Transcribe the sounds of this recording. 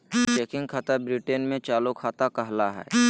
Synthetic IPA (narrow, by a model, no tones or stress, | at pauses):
t͡ʃeːkɪ̃ŋɡkʰaːt̪abɾiʈenmẽt͡ʃaːlokʰaːt̪akɐɦlaɦɛ̰ː